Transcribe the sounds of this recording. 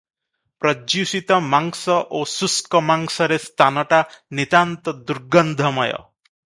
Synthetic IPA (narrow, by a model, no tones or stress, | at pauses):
pɾɔd͡ʒjusit̪ɔmaŋsɔʔosuskɔmaŋsɔɾest̪ʰanɔʈanit̪ant̪ɔd̪uɾɡɔnd̪ʱɔmɔjɔ̰